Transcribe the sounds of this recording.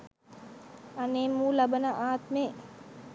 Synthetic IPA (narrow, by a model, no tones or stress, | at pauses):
aneːmːuːlabənəʔaːt̪meː